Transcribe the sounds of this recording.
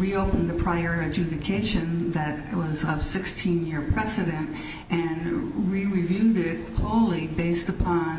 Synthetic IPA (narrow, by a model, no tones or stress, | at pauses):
ɹioʊpɨ̃n̩ðɨpʰɹ̥aɪəɹɨd͡ʒʉɾɨkʰeɪʃɨ̃nðɨt̚wʌzʌv̥sɪkstʰĩnjɪɹpʰɹ̥ɛsɨɾɨ̃nt | ʔɨ̃nɹiɹivjʉɾɪt̚hʰoʊl̩ˠibeɪstəpʰɑ̃n